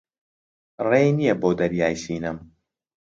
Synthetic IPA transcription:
rejnijɛboːd̪ɐɾjaːjsiːnɨm

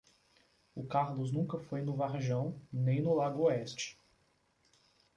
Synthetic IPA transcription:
ʊkaɾlʊznũkɐfojnʊvaɾʒɐ̃w̃nẽj̃nʊlaɡʊoɛst͡ʃɪ̥

